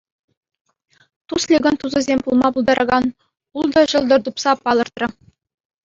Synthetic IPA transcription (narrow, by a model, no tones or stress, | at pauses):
t̪uslʲiɡɤ̆nt̪uzɤ̆zʲemʲpulˠmɑpulˠd̪ɑɾʔɑɡɑn | ulˠd̪ɤ̆ʑɤ̆lˠd̪ɤ̆rd̪upsɑpɑlˠɤ̆rt̪rɤ̆